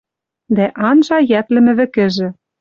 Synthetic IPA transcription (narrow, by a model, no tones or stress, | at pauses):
d̪æʔɑnʒɑjæt̪lɘ̆mɘ̆βɘ̆kɘ̆ʒɘ̆